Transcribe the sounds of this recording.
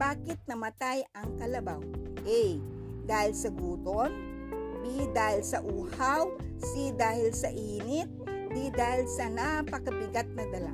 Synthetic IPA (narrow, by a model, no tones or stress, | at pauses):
baːkɪt̪̚nɐmɐt̪ajɐŋkɐlɐbawʔɛj | d̪aːhɪlsɐɡuːt̪on | b̪id̪aːhɪlsɐʔuːhawsid̪aːhɪlsɐʔiːnɪt̪̚ | b̪id̪aːhɪlsɐnapɐkɐbɪɡat̪̚nɐd̪ɐla̰